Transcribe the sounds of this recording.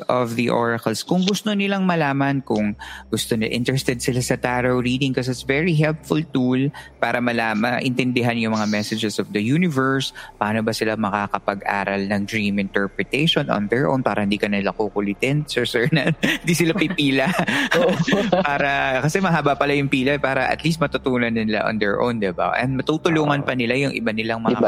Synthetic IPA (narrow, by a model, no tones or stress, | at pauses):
ʔɔvðɐʔo̰ɹɐkɐlskʊŋɡʊst̪onɪlɐŋmɐlaːmɐnkʊŋɡʊst̪onɐʔɪ̰nt̪ɛɾɛst̪ɛd̪̚sɪlasɐt̪aɾɐwɾiːd̪ɪŋkos̬ɪt̪svɛɹiɦɛlpfʊlt̪ulpaːɾɐmɐlaːmɐʔɪnt̪ɛnd̪ɪɦanjʊŋmɐŋamɛsɛd͡ʒɛsɔfd̪ɐjunɪvɛɹspɐʔaːnobɐsɪlamɐkaːkɐpɐɡʔa̰ːɾɐlnɐŋd̪ɹiːmɪnt̪ɛɹpɹɛt̪ɛʃonʔɔ̰nd̪ɛɹʔo̰wnpaːɾʔɐhɪnd̪iːkɐnɐnɪlakokʊlɪt̪ɪnsɛɹsɛɹnɐhɪnd̪iːsɪlapipiːlɐ | paːɾɐkɐsɛmɐɦaːbɐpɐlajʊŋpiːlɐɛpaːɾɐʔɐ̰t̪list̪̚mɐt̪ʊt̪uːnɐnɪnɪla̰ʔo̰nd̪ɛɹʔo̰wnd̪ɪba̰ʔɛ̰nd̪̚mɐt̪ut̪ʊluːŋɐnpɐnɪlajʊŋʔɪ̰banɪlaŋmɐ